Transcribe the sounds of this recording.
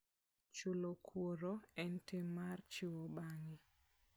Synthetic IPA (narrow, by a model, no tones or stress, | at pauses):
t͡ʃulokʰwoɾoɛntemart͡ʃɪwobaŋɪ